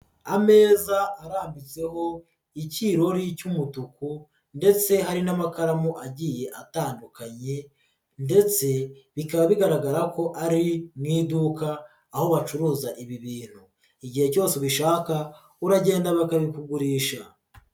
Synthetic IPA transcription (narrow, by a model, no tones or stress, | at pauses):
ame̞ːzaːɾaːmbit͡se̞ɦo̞ | iciɾo̞ɾicumutuku | nde̞t͡se̞ɦaɾinamakaɾamuʔaɟiːje̞ʔataːndukaɲe̞ | nde̞t͡se̞βikaβaβiɡaɾaɡaɾako̞ʔaɾimŋiːdukaː | ho̞βat͡ʃuɾuːzaʔiβiβiːn̥hu | iɟihe̞co̞ːseβiʃaːka | uɾaɟe̞ːndaβakaβikuɡuɾiːʃa